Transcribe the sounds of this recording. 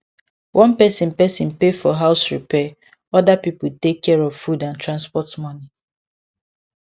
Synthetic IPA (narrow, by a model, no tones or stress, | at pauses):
wʔɔ̃npɛsɪ̃npɛsĩnpefɔɦaʊsɹipɛ | ɔdapipʊl̩tekʰːɛɹɔv̥fudãntʰɹãnspɔtmɔni